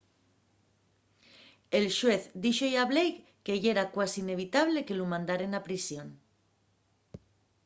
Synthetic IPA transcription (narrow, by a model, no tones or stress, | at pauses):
e̞lʃwe̞θd̪iʃojaβlejk | keʝeɾakwasine̞β̞it̪aβ̞leke̞lumãnd̪aɾe̞napɾisjo̞n